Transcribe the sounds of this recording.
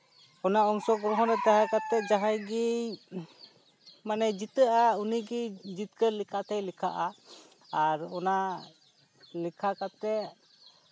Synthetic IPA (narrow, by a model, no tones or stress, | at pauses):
ɔnaɔŋsɔɡɾɔɦɔ̃ɾɛd̪aɦakat̪ːɛʔ̚d͡ʒaɦajɡi | manɛd͡ʒit̪əʔauniɡid͡ʒit̪̚kəlikʰat̪ʰɛjlikʰa̰ʔa | aɾɔna | likʰakat̪ːɛʔ